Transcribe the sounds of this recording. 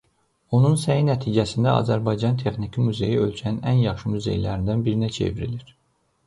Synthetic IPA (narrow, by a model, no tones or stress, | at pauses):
o̞nunsæjinæt̪ʰiːd͡ʒæsind̪æɑ̰zæɾbɑjd͡ʒɑnt̪ʰe̞χnicʰimuze̞̰jiø̞lcʰæninænjɑχʃɯmuze̞̰jlæɾind̪ænbiɾinæt͡ʃʰe̞̰viɾiliɾ